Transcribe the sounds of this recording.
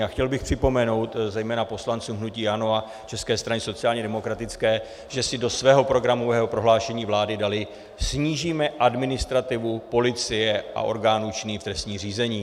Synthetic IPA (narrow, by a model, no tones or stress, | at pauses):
axcɛlbɪxpr̥ɪpo̞mɛno̞wt̪zɛjmɛːnapo̞slant͡suːmɦnuciːjanoa | t͡ʃɛskɛːst̪ɾanɪso̞t͡sɪaːlɲɛdɛmo̞kɾat̪ɪt͡skɛː | ʒɛsɪdo̞svɛːɦo̞pɾo̞ɡɾamo̞vɛːɦopɾo̞ɦlaːʃɛɲiːvlaːdɪdalɪ | sɲiːʒiːmɛʔadmɪnɪst̪ɾat̪ɪvupo̞lɪt͡sɪjɛa̰ʔo̞̰ɾɡaːnuːt͡ʃɪniːft̪ɾɛst̪ɲiːr̝iːzɛɲiː